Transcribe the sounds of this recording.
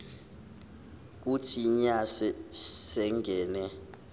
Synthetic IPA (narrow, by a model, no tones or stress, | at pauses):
k̬ʼutʰiɲasɛsɛŋɡʱɛːnɛ